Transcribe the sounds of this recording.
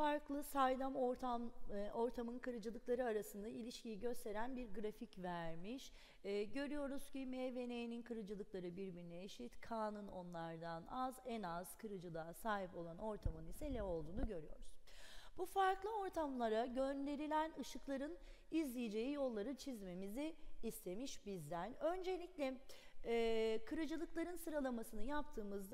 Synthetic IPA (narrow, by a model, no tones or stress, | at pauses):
faɾklˠɯsajd̪amoɾt̪ʰamo̞ɾt̪ʰamɯnkʰɯɾɯd͡ʒɯlˠɯklˠaɾɯaɾasɯnd̪aʔilʲiʃcijiɟø̞st̪ʰe̞ɾænbiɾɡɾaficvæɾmiʃː | ɟø̞ɾyjo̞ɾuz̥cimeve̞nejininkʰɯɾɯd͡ʒɯlˠɯklˠaɾɯbiɾbiɾinɛːʃit̪kʰaːnɯno̞nlˠaɾd̪anazɛnaz̥kʰɯɾɯd͡ʒɯlˠaːsaːɦipo̞lˠano̞ɾt̪ʰamɯnisɛlʲɛo̞lˠd̪uːnuɟø̞ɾyjo̞̰ɾuz̥b̥ufaɾklˠɯo̞ɾt̪ʰamlˠaɾaɟø̞nd̪e̞ɾilʲænɯʃɯklˠaɾɯn | izlʲijid͡ʒe̞jijo̞lˠːaɾɯt͡ʃʰizme̞miziːst̪ʰe̞miʃbizd̪ænø̞nd͡ʒe̞lʲiclʲɛ | kʰɯɾɯd͡ʒɯlˠɯklˠaɾɯnsɯɾalˠamasɯnɯjapt̪ʰɯːmɯzd̪